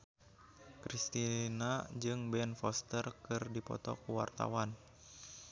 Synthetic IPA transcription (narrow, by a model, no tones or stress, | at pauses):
kɾist̪inad͡ʒɨŋbɛnfɔst̪ərkɨrdipɔ̰t̪ɔ̰kuwa̰rt̪a̰wan